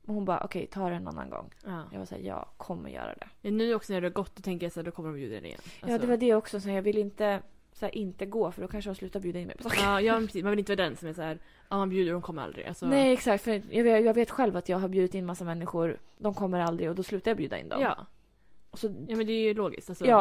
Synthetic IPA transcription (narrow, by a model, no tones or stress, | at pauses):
mɛnhʊnbɑ̰ːʔɔkʰɛjt̪ʰɑːɾɛɛna̰nːa̰nɡɔ̰ŋːjɑ̰ɡva̰sæ̰ːjɑ̰ːɡkʰɔmːə̰ɾjœ̰ːɾa̰d̪ɛ̰mɛnːʉ̟ːɔksɔnæjd̪ɛhaɾɡɔt̪̚ːd̪ɔt̪ʰɛŋkəɾjasæːɖɔkʰɔmːəɖɔmbjʉ̰ːd̪ad̪ɛnɪ̰jɛ̰njaɑːd̪ɛvad̪ɛɔksɔsajɑːɡvɪlːɪnt̪ə | sæːɾʔɪnt̪əɡoːfœɖɔkʰanʂ̬əhʊnslʉ̟ːt̪aɾbjʉ̟d̪ɪnmɛ̰jpʰɔ̥sɑːkkːjɑːmɛpʰɾɛsiːmanvɪlɪnt̪vɑːad̪ɛnsɔmæsæːɾ | amanbjʉːd̪əɖɔmkʰɔmːəɾa̰ld̪ɾɪ̰ɡa̰lsɔnɛjɛksak̚t̪fœjɑːvjɑːɡveːt̪ɧɛlvat̪jɑːɡɦaɾbjʉ̟ːd̪ɪt̪ɪnmasːamɛnːɪɧʊɾd̪ɔmkʰɔmːəɾald̪ɾɪɔd̪ɔslʉ̟t̪aɾjaːbjʉ̟ːd̪a̰ɪ̰nd̪ɔ̰mmɑ̰ː | ɔsɔjuːmɛnd̪ɛjloːɡɪ̰st̪alsɔjɑː